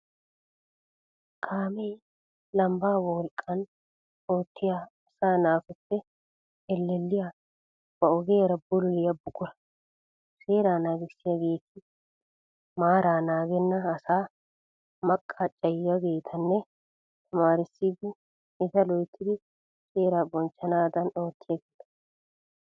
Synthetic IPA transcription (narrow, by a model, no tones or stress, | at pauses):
kʰaːmɛj | lɐmbaːwɔwɔlkʼːɐn | oːt̪ːɪjaɐsaːnaːfɛtːɛ | ɛlːɛlːɪja | b̥ɐɔɡeːɾɐbʊlʊlɪjɐbʊkʼːʊɾɐ̥ | seːɾaːnaːɡɪsːɪjɐɡe̞ːt̪ɪ | maːɾaːnaːɡɛnːɐːsaː | mɐkʼːat͡ʃʼːɐjɪjɐɡe̞ːt̪ʰɐnːɛ | t̪ʰɐmaːɾɪsːiːd̪ɪ | ɪzɐlɔjt̪ʰːɪd̪ɪ | se̞ːɾaːbɔnt͡ʃːɐnaːd̪ɐno̞ːt̪ʰːɪjɐɡeːt̪ɐ̥